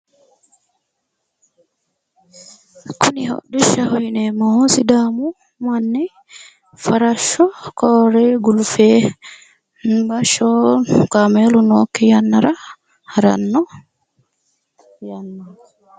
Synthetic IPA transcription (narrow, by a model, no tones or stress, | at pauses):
kʰunihɔ̰ɗuʃahɔjnɛmɔhosidaːmu | manːɛ | faɾaʃɔkɔːɾɛɡulfɛ | baʃɔkamelunɔ̰kːɛjanːaɾa | haɾa̰nːɔ | janːa